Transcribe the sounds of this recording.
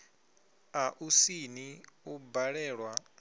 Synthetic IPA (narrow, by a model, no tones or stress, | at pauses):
aʔusiniubaɺɛːɺwa